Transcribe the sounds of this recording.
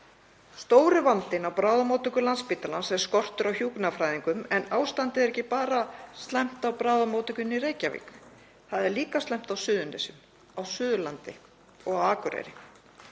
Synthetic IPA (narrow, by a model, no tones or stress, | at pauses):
st̪oːwɾɪvant̪ɪnawpɾaːwðamowt̪ʏkʏlanspiːt̪alansɛɾ̥skɔr̥t̪ʏɾawçuːknafɾaːjðiŋkʏmɛnaːwst̪ant̪ɪɛɾɛhcːɪpaːɾast̪lɛm̥t̪awpɾaːwðamowt̪ʏkʏnireːjcavḭːkʏ | θaðɛɾliːkast̪lɛm̥t̪awsʏːðʏnɛsʏm | awsʏːðʏlant̪ɪ | ɔɣawaːkʏɾɛ̰ɾɪ